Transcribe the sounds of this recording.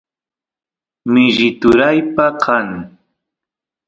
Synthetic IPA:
mɪʒɪt̪ʊɾajpaqʰaŋ

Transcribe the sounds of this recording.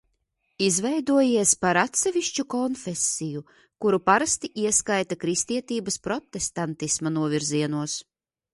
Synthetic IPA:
izvɛjd̪uɔjiɛspaɾat̪sɛvʲiʃt͡ʃukɔnfesːiju | kuɾupaɾast̪iʔiɛskajt̪akɾist̪iɛt̪iːbɐspɾɔt̪ːest̪ant̪ismanuɔvʲiɾziɛnuɔs

